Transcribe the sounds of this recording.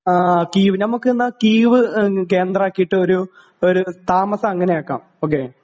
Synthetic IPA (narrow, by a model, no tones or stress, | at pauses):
akiːʋɨnɐmukːɨenːɐkiːʋɨke̞ːnd̪ɾrɐaːkːijiʈːɨo̞ɾu | o̞ɾut̪aːmɐsɐɐŋːɐneakːa̰ːm | oːk̬ːeː